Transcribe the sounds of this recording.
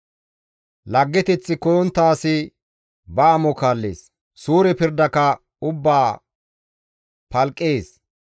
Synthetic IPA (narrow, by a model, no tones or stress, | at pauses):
lɐɡːɛt̪ɛt͡sːɪkɔjɔnt̪ːaːsɪ | bɐːmɔkaːlːḛːs | suːɾɛpɪɾd̪ɐkɐ | ʊbːaː | pɐlkʼːeːs